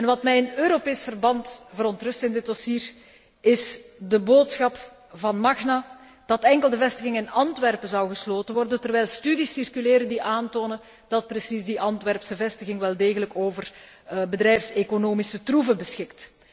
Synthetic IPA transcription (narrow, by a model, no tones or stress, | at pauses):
ɛnʋɑtmɛjənøːɾopeːsfərbɑntvəɾɔntrɵstɪndɪd̚dɔsiːr | ɪsdəboːtsxɑp | vɑnmɑxna | d̥ɑtɛŋkəlˠdəvɛstəɣɪŋɪnɑntʋɛrpəzɑwɣəsloːtənʋɔrdəntərʋɛjlˠstydisirkyleːɾədiʔaːntoːnə | d̥ɑt̚prəsizdiʔɑntʋɛrpsəvɛstəɣɪŋʋɛlˠdeːɣələkoːvər | bədɾɛjfsekonoːmisətruvəbəsxɪkt